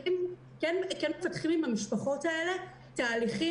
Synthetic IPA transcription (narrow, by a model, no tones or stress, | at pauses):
im | kenkenmefatχimimhamiʃpaχo̞tae̞le̞ | taːliχi